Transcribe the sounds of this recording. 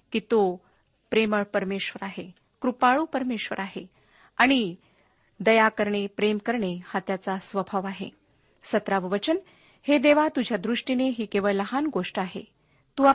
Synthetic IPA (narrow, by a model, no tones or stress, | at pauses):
kit̪o | pɾeməɭpəɾmeɕʋəɾaɦe | kɾupaɭuːpəɾmeɕʋə̰ɾaɦe | aɽ̃i | d̪əjakəɾɳepɾemkəɾɳehat̪jat͡sasʋəbʱaʋaɦḛ | sət̪ɾaʋʋət͡ɕən | hed̪eʋat̪ud͡ʑʱjad̪ɾuʂʈineɦiːkeʋəɭləɦanɡoʂʈaɦḛ | t̪uːa